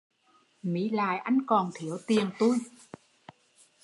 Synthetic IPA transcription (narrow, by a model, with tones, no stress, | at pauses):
mḭ˨˦la̰ː˧˨jʔa˧jŋ̟kɔ˨˩nt̪ʰi˨˩˦əwt̪i˨˩əŋt̪u˧j